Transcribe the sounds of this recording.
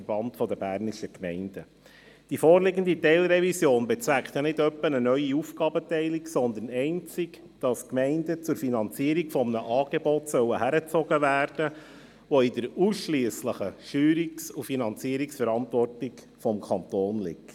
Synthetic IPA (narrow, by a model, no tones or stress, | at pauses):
ɾb̥ɑntfɔdəbæːɾniʃəkmɛɪnd̥ə | d̥ifoːɾlɪɡənd̪itɛɪlɾɛvisjoːnbɛt͡sʋækχt̪jɑnɪdœpːənənœʏiufɡɑːbətɛɪliksɔnd̪ənɛɪnt͡sɪk | d̥ɑskmɛɪndət͡sʊɾfinɑnt͡siəɾikfɔmnəʔɑːɡ̥ebɔtsœwəhæɾət͡sɔɡəvæːɾd̥ə | ʋɔɪdəɾuːsʃliəsləχəʃyːɾiksufinɑnt͡siəɾiksfəɾɑntvɔrtik | fɔmkʰɑnt̪oːnlɪ̰kt